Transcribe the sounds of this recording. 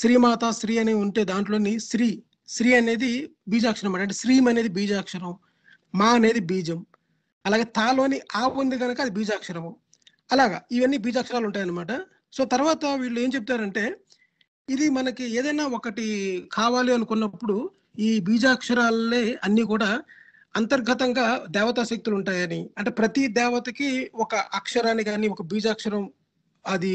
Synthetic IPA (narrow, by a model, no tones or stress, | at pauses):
sɾiːmaːt̪asɾiːɐneuɳʈe̞ːd̪aːɳʈlo̞ːnisɾiː | sɾiːɐne̞ːd̪i | biːd͡ʒaːkʂɐɾɐmɐːɐɳʈeːsɾiːmɐne̞ːd̪ibiːd͡ʒaːkʂɐɾɐmː | aːɐne̞ːd̪ibiːd͡ʒɐm | ɐlaːɡe̞ːt̪aːlo̞ːniʔaːɐnd̪iɡɐnɐkɐɐd̪ibiːd͡ʒaːkʂɐɾɐʋɐm | ɐlaːɡa̰iʋɐnːibiːd͡ʒaːkʂɐɾaːluɳʈaːjɐnɐmaːʈɐ | so̞ːt̪ɐɾʋaːt̪ɐʋiːɭːueːmt͡ʃep̬̚t̪aːɾɐɳʈe̞ː | id̪imɐnɐkieːd̪ɐjnaːokɐʈikʰaːʋaːliɐnukunːɐpːuɽu | iːbiːd͡ʒaːkʂɐɾaːleːɐnːiːkuːɽaː | ɐnt̪ɐɾɡʱɐt̪ɐŋɡaːd̪ɛːʋɐt̪asɐk̚t̪uluɳʈaːjɐniɐɳʈe̞ːpɾɐt̪id̪ɛːʋɐt̪ɐkiɔkɐʔɐkʂɐɾaːniɡaːniːɔkɐbiːd͡ʒaːkʂɐɾɐm | ɐd̪i